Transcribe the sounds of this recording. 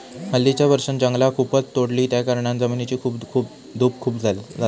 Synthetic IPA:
məlːit͡ɕjaʋəɾʂənd͡ʑəŋɡlakʰupət͡st̪oɽliːt̪jakaɾɳãnd͡zaminit͡ɕiːkʰuːpkʰuːp̚ | d̪ʱuːpkʰuːpd͡zad͡za

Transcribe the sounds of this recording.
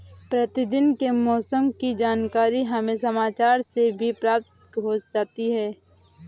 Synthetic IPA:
pɾɐt̪ɪd̪ɪnkemɔːsəmkid͡ʒaːnkaːɾiɦɐmẽsɐmaːt͡ʃaːɾsebʱipɾaːp̚t̪ | ɦoːd͡ʒd͡ʒaːt̪iɦɛː

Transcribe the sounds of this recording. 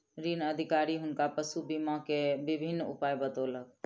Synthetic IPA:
ɾinəd̪ʱikaːɾiɦʊnkapəsubimãkebɪbʱɪnːʊ̰paːjbət̪oləɡ̚

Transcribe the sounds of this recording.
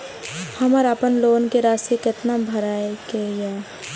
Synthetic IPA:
hɐməɾapənloːnkeɾaːsekɪt̪nabʱəɾaːekejaː

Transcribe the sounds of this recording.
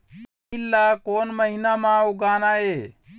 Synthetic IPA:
ilːakoːnməɦinamãuɡaːnae

